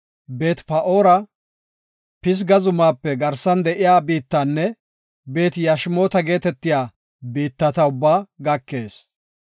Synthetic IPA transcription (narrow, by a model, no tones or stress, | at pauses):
be̞ːt̪pɐʔoːɾɐ | pɪs̬ɡɐzʊmaːpːɛɡɐɾsɐnd̪ɛʔɪjaːbiːt̪ːɐnːɛ | be̞ːt̪jɐʃmo̞ːt̪ɐɡe̞ːt̪ɛt̪ːɪjaː | biːt̪ːɐt̪ɐʊbːaːɡɐkːe̞ːs